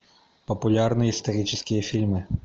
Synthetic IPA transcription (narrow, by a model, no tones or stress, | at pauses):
pɐpulʲarnɨjɐist̪ɐɾʲit͡ʃɪskʲijɐfʲilʲmɨ